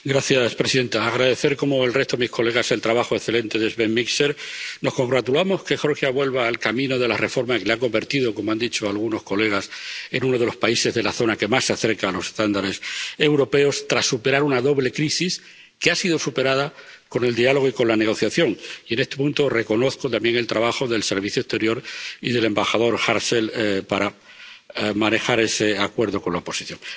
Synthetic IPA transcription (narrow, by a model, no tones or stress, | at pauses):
ɡɾaθjaspɾe̞siðe̞nt̪aːɣ̞ɾaðe̞θe̞ɾko̞mo̞elre̞ht̪oemihko̞le̞ɣ̞ase̞lt̪ɾaβaxoekθe̞lẽ̞nt̪e̞ðezβe̞nmikseɾno̞hko̞ŋɡɾat̪ulamo̞ske̞xo̞ɾxjaβwe̞lβaːlkamĩno̞ðe̞la̰re̞fo̞ɾmaskeleako̞mbe̞ɾt̪iðo̞ko̞moand̪it͡ʃoalɣ̞uno̞sko̞le̞ɣ̞ase̞nuno̞ð̞e̞lo̞spaise̞zðe̞laθo̞nake̞masːaθe̞ɾkaːlo̞sest̪and̪aɾe̞se̞wɾo̞pe̞o̞st̪ɾasːupe̞ɾaɾunaðo̞βle̞kɾisis | keasið̞osupe̞ɾað̞ako̞ne̞ld̪ialo̞ɣ̞oiko̞nlane̞ɣ̞o̞θjaθjo̞ŋie̞ne̞st̪epunt̪o̞re̞ko̞no̞θkot̪ambje̞ŋe̞lt̪ɾaβaxo̞ðe̞lse̞ɾβ̞iθjoe̞st̪e̞ɾjo̞ɾiðe̞le̞mbaxað̞o̞ɾxaɾse̞lpaɾa | mane̞xaɾe̞seakwe̞ɾð̞o̞ko̞nlaopo̞siθjo̞ŋ